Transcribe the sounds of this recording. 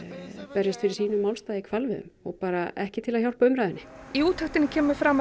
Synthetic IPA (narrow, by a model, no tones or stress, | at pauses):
pɛɾjɪst̪fɪɾɪɾ̥siːnʏmːaːwlst̪aːjðikʰvalvɪðʏ̰mɔɣpaːɾaɛhcɪt̪ʰɪlaðçjawl̥paʏmɾajðɪnːɪiuːt̪haht̪ɪnɪcʰɛːmʏfɾaːma